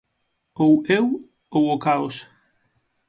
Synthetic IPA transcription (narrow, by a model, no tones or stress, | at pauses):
owew | owokaos